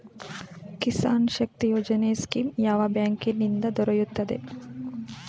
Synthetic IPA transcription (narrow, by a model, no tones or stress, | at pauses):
kisaːnʃɐk̚t̪ijoːd͡ʒɐneːskimjaːʋabjaːŋkinːind̪ɐd̪ɔɾɐjut̪ːɐd̪e̞̰